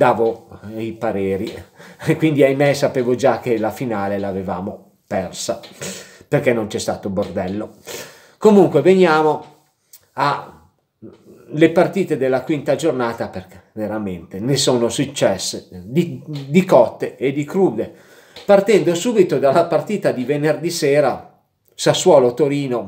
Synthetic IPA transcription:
d̪aːvoipaɾeːɾikwind̪iajmɛsapeːvod͡ʒakelafinaːlelaveva̰ːmo | pɛrsaperkɛnːont͡ʃɛst̪a̰ːt̪obord̪ɛlːo | komuŋkweveɲjaːmo | a | lepart̪iːt̪ed̪elːakwint̪ad͡ʒornaːt̪aperke̥veɾament̪enesoːnosut͡ʃːɛsːed̪id̪ikɔt̪ːeːd̪ikɾuːd̪e | part̪ɛnd̪osuːbit̪od̪alapart̪iːt̪ad̪ivenerd̪isɛːɾa | saswɔːlot̪oɾiːno

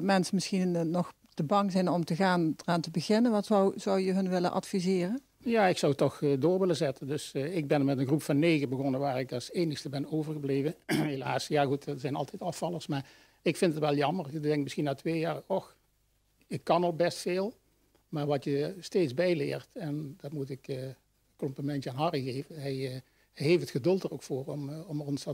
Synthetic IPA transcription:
tmɛnsəmɪsxinnɔχ | təbɑŋzɛjnɔmtəɣaːndəraːntəbəɣɪnənʋɑtsɔwz̥ʌwjəɦɵnʋɪlənʔɑ̰tfizɪːrən | jaːɪksɑwtɔxdʊːɹʋɪlənzɛtəndɵsɪɡ̚bɛnmɛtənɣrupfɑnːejɣəbəɣɔnənʋaːɹɪkɑlˠsejnəxstəbɛnowvəɹɣəblejvəɦelaːsjaːχuttsɛjnɑlˠtɛjtɑfɑlˠəɹsmaːɹ | ɪkfɪntətʋɛlˠjɑmərdɛŋk̚mɪsxinaːtʋeːjaːrɔx | ɪkːɑnolk̚bɛstfeːlˠ | maːɹʋɑtjəsteːtzbɛjlɪ̰ːɹtɛndɑtmutɪkː | kɔmpləmɛntjəaːnɦɑriɣejvənɦɛj | hɛjɦejftətxədɵlˠtərowkfʊːrɔmɔmɔnsɑ

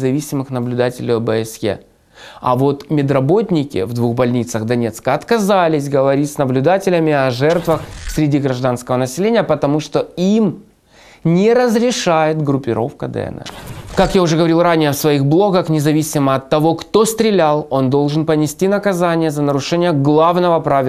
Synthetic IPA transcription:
zɐvʲisʲɪmɨxnəblʲʊd̪atʲɪlʲɪɐbəɛsjḛ | ɐ̰vo̞t̪mʲɪd̪rɐbo̞tʲnʲɪkʲɪ̰vd̪vuɣbɐlʲnʲit̪səɣd̪ɐnʲe̞t̪skəɐt̪kɐzalʲɪsʲɡəvɐɾʲitʲsnəblʲʊd̪atʲɪlʲɪmʲɪɐʐɛrt̪vəxsʲɾʲɪdʲiɡɾɐʐd̪anskəvənəsʲɪlʲenʲɪjəpət̪ɐmuʂt̪oim | nʲɪɾəzɾʲɪʂajɪt̪ɡɾʊpʲɪɾʔo̞̰fkəd̪ə̰ɛ̰nɛ̰kakjaʊʐɛɡəvɐɾʲilˠranʲɪjəfsvɐiɣblˠo̞ɡəxnʲɪzɐvʲisʲɪməɐt̪ːɐvo̞kt̪o̞st̪ɾʲɪlʲalˠo̞nd̪o̞lˠʐɨnpənʲɪsʲtʲinəkɐzanʲɪjəzənəɾʊʂɛnʲɪjəɡlˠavnəvəpɾavʲɪ

